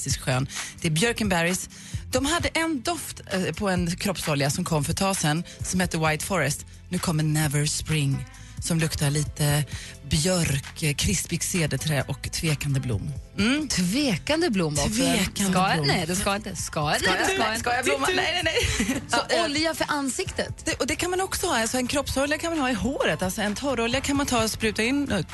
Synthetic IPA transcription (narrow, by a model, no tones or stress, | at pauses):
t̪ɪskɧøːnd̪̥ɛæɾbjœɾkənbæɾɪs | d̪̥ɔmɦad̪ːəʔɛnd̪ɔft̪pʰɔɛnkʰɾɔpsɔljasɔmkʰɔmːfœɾt̪ʰɑːsɛnːsɔmhɛt̪ːəwajt̪fɔɾɛst̪ | nʉ̟ːkʰɔmːɛnɛvəɾspɾɪŋː | sɔmlɵkt̪aɭiːt̪ə | bjœɾkkʰɾɪspɪɡseːd̪ət̪ʰɾɛ̰ːʔɔkt̪ʰveːkand̪əblʊ̰m̩ːt̪ʰveːkand̪əblʊmːɔvekanɛd̪ɛskɪnt̪ək̪ː | skajablʊmːnɛjnɛnɛsɔɔljafəɾʔansɪkt̪ət̪d̪̥ɛʔɔd̪ɛkʰanmanɔksɔhɑːalsɔɛnkʰɾɔpsɔljakʰanmanhɑːɪɦoːɾət̪alsɔɛnt̪ʰɔɾɔljakʰanmant̪ʰɑːspɾʉ̟ːt̪aɪnː